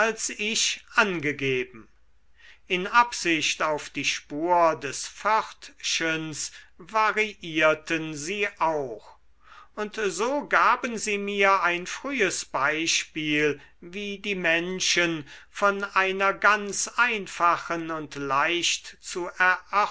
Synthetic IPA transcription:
alsɪʃʔanɡəɡeːbm̩ | ʔɪnʔapz̥ɪʃtaʊfd̥iːʃpuːɐdɛsfœʁtʃənsvaʁiʔiːɐtənziːʔaʊx | ʊntzoːɡaːbənziːmiːɐaɪnfʁ̥yːəsb̥aɪʃpiːl | viːdiːmɛnʃənfɔnʔaɪnɐɡansaɪnfaχənʊntlaɪʃtt͡suʔɛɐʔa

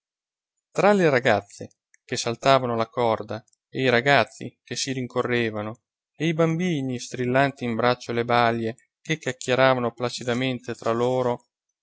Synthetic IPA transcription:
t̪ɾaleɾaɡat̪sːe | kesalt̪aːvanolakɔrd̪a | eiɾaɡat̪sːḭkesiɾiŋkorːeːvano | eibambiːnist̪ɾilːant̪iːmbɾat͡ʃːolebalːe | kekːakʰːjeɾaːvanoplat͡ʃid̪ament̪et̪ɾaloːɾo

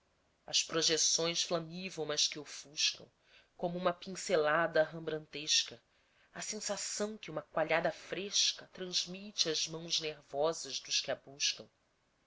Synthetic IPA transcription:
ɐspɾoʒesõj̃sflɐmivɐ̃w̃mɐʃkɪʊfuʃkɐ̰̃w̃ | kõmʊũmɐpĩŋselad̪ɐɦɐ̃mbɾɐ̃nt̪eʃkɐ | ɐsẽsasɐ̃w̃kɪũmɐkwaʎad̪ɐfɾeʃkɐt̪ɾɐ̃ʒmit͡ʃɪɐzmɐ̃w̃zneɾvɔzɐzd̪ʊʃkɪabuʃkɐ̃w̃

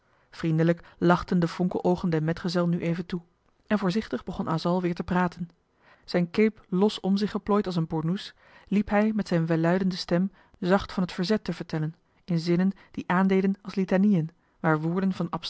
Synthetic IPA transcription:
v̥rindələklɑχtəndəvɔŋkə̰lʔowχəndɛɹmɛtχəzɛlˠnyʔejvəntu | ʔɛnvʊːɹzɪχtəχbəχɔnaːzɑlˠʋɪːɹtəpraːtən | z̥ɛjnkejplɔsɔmzɪχəplɔjtɑlˠs̬ənbʊɹnus | lipɦɛjmɛtsɛjnʋɛlœɥdəndəstɛm | zɑχtfɑnɦətfəɹzɛtəvəɹtɛlən | ɪnzɪnən | d̥iʔaːndejdənɑlˠslitanijən | ʋaːɹʋʊːɹdənvɑnɑp

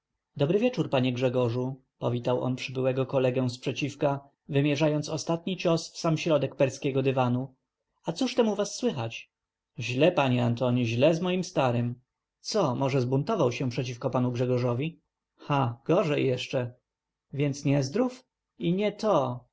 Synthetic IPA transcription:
d̪ɔbɾɘvʲɛt͡ʂuɾpaɲɛɡʐɛɡɔʐu | pɔvʲit̪awʔɔ̰npʂɘbɘwɛɡɔkɔlɛɡɛ̃spʂɛt͡ɕifka | vɘmʲjɛʐajɔnt̪sɔst̪at̪̚ɲit͡ʃɔsfsamɕɾɔd̪ɛk̚pɛɾskʲɛɡɔd̪ɘvanu | at̪suʂt̪ɛmuvasːwɘxat͡ɕ | ʑlɛpaɲɛant̪ɔɲiʑlɛzmɔjimst̪aɾɘm | t̪sɔmɔʐɛzbunt̪ɔvawɕɛpʂɛt͡ɕifkɔpanuɡʐɛɡɔʐɔvʲi | xaɡ̥ɔʐɛjjɛʂt͡ʂɛ | vʲjɛnt̪sɲɛzd̪ɾuf | iɲɛt̪ɔ

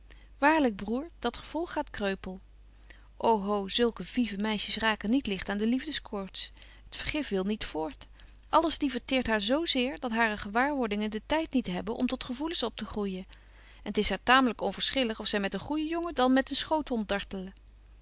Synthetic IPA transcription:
ʋaːɹləɡ̚bruːɹd̥ɑtχəv̥ɔlˠχaːtkrøɥpəlˠ | ʔowɦowzɵlˠkəvivəmɛjʃəsraːkənitlɪχtaːndəlivdəskʰɔːɹts | ɦətfəɹχɪfʋɪlˠnitfʊːɹt | ʔɑləsdivəɹtɪːɹtɦaːɹzowzɪːɹdɑtɦaːrəχəʋaːɹʋɔɹdɪŋəndətɛjtnitɦɛbənʔɔ̰mtɔtχəvulənsɔp̚təχrujə | ɛnətɪsɦaːɹtaːmələkɔnvəːɹsχɪləχɔfsɛjmɛtənχujəjɔŋədɑnmɛtənsχowtɦɔntdɑɹtələ

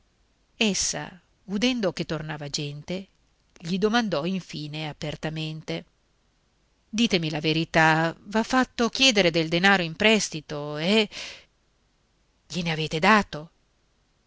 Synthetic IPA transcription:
esːa̰ | ud̪ɛnd̪ok̟et̪ːornaːvad͡ʒɛnt̪e | ʎid̪omand̪ɔiɱfiːneapert̪ament̪e | d̪iːt̪emilaveɾit̪avafːat̪ːok̟jɛːd̪eɾed̪eld̪enaːɾoimpɾɛst̪it̪oɛ | ʎineaveːt̪ed̪aːt̪o

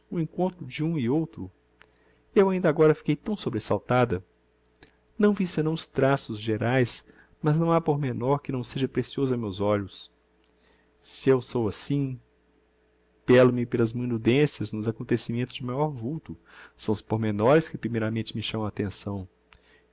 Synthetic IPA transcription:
uẽŋkõnt̪ɾʊd͡ʒɪũɪowt̪ɾʊ | ewaĩnd̪ɐaɡɔɾɐfi̥kejt̪ɐ̃w̃sobɾesawt̪ad̪ɐ | nɐ̃w̃visẽnɐ̃w̃ʊst̪ɾasʊzʒeɾajs | mɐznɐ̃w̃apoɾmenɔɾkɪnɐ̃w̃seʒɐpɾesiozʊamewzɔʎʊs | sɪewsowasĩ | pɛlɐmɪpelɐzmũj̃nud̪ẽsiɐznʊzakõnt̪esimẽnt̪ʊzd͡ʒɪmajɔɾvuwt̪ʊsɐ̃w̃ʊspoɾmenɔɾɪskɪpɾimejɾɐmẽt͡ʃɪmɪʃɐ̃mɐ̃w̃at̪ẽsɐ̃w̃

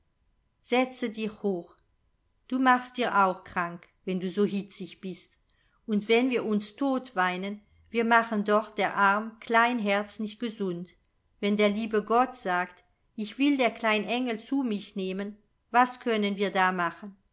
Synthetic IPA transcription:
z̥ɛt͡sədiçhoːx | d̥uːmaχstd̥iːɐʔaʊxkʁ̥aŋkvɛnduːzoːɦɪt͡sɪçb̥ɪst | ʊntv̥ɛnviːɐʊnstʰoːtv̥aɪnən | viːɐmaχəndɔχt̚d̥eːɐʔaʁmkl̥aɪnɦɛɐt͡snɪçt̚ɡ̥əzʊnt | vɛndeːɐliːbəɡɔtz̥aːkt | ɪçv̥ɪldeːɐklaɪnʔɛŋl̩t͡suːmɪçneːmən | vaskʰœnənviːɐdaːmaχən

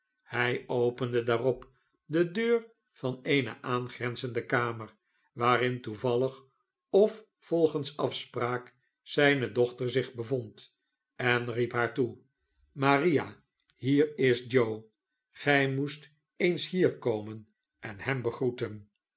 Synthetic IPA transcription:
hɛjowpəndədaːrɔp | dədøːr | v̥ɑnejnə̰ʔaːnχrɛnzəndəkaːməɹ | ʋaːɾɪntuvɑləχ | ɔf | fɔlˠχənsɑfspraːk | sɛjnədɔχtəɹzɪχbəvɔnt | ɛnripɦaːɹtu | maːrija | hiːrɪsd͡ʒow | χɛjmust | ejnsɦiːɹkowmən | ʔɛnhɛmbəχrutən

